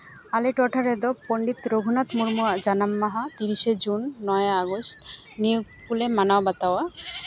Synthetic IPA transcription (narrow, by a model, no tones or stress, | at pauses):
aleʈɔʈʰaɾed̪opoɳɖit̪ɾoɡʱunat̪muɾmuad͡ʑanamːaɦat̪iɾiʃed͡ʑunːɔjeaɡosʈ | nijoɡ̚pulemanawabat̪awa